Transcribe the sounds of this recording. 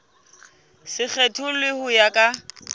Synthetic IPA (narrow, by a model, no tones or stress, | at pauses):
sɪk͡xʰetʰʊlɪhʊjakʼa